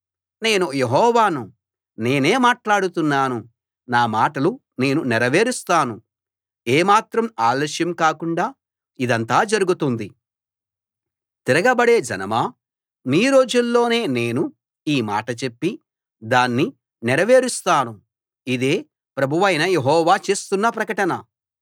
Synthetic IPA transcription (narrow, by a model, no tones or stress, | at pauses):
ne̞ːnujeɦɔːʋaːnu | ne̞ːne̞ːmaːʈlaːɽut̪unːaːnu | naːmaːʈɐlu | ne̞ːnunɛɾɐʋe̞ːɾust̪aːnu | eːmaːt̪ɾɐmaːlːʃjɐmkaːkuɳɖaː | id̪ɐnt̪aːd͡ʒɐɾuɡut̪und̪i | t̪iɾɐɡɐbɐɽe̞ːd͡ʒɐ̰nɐmaː | miːɾo̞ːd͡ʒulːo̞ːne̞ːne̞ːnu | iːma̰ːʈɐt͡ʃe̞pːi | d̪aːnːi | nɛɾɐʋe̞ːɾust̪aːnu | id̪eː | pɾɐbʱuʋɐjnɐjeɦɔːʋaːt͡ʃe̞ːst̪unːɐpɾɐkɐʈɐnɐ